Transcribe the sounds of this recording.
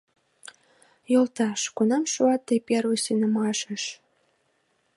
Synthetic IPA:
jolt̪ɑʃkunɑmʃuɑt̪ːejpʲerusinə̆mɑʃə̆ʃ

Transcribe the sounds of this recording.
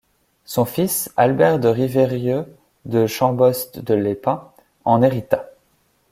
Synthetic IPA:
sɔ̃fisalbɛʁd̪əʁiveʁjø | d̪əʃɑ̃bɔst̪d̪əlepɛ̃ | ɑ̃neʁit̪a

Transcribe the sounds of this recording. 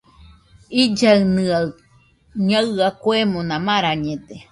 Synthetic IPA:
id͡ʒaɯnɨa | ɲaakwemonãmãɾaɲẽd̪e

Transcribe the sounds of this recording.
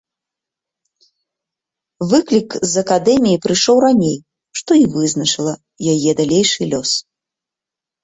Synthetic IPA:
vɨklʲikzɐkad̪ɛmʲijipɾɨʂɔwranʲej | ʂt̪ɔivɨznɐt͡ʂɨlˠɐ | jajɛd̪alʲejʂɨlʲɔs

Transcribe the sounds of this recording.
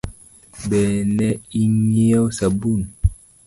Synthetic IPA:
bɛnɛiɲiawsabun

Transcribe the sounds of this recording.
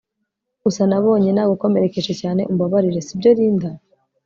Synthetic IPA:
ɡusanaβo̞ːɲe̞naːɡoko̞me̞ɾe̞ke̞ʒecaːne̞̰ʔumbaβaɾiɾe̞sibɟo̞ɾiːnda

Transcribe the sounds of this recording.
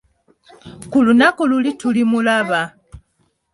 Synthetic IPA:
kulunakululitulimulaβa

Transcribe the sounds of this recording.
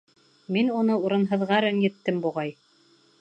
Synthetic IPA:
minunɤuɾɤ̆nɦɤ̆ðʁɑɾɘnjɘ̆t̪ːɘmbuʁɑj

